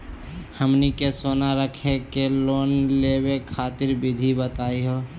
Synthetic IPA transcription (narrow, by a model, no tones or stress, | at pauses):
həmnikesoːnaɾəkʰekeloːnlebekʰaːt̪ɪɾbɪd̪ʱibət̪aːiɦoː